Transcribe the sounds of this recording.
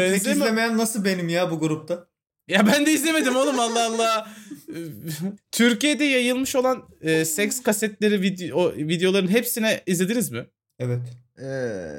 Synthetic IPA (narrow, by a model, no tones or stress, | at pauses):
ɛemlʲemejænːasɯlˠbe̞nimjaːbuɡuɾup̚t̪ʰa | jabænd̪ɛizlʲeme̞d̪imonˠumalˠːaalˠːaː | t̪ʰyɾcijed̪ɛjajɯlˠmɯʃo̞lˠan | ɯːsɛcskasɛt̪lʲe̞ɾivid̪ovid̪ejolˠaɾɯnɦepsinɛizlʲed̪inizmɪ | ɛvɛt̪ | ɛ